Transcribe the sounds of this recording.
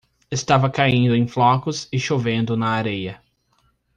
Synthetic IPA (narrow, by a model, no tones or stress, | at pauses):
est̪avɐkaĩnd̪ʊẽj̃flɔkʊsɪʃovẽnd̪ʊnɐːɾejɐ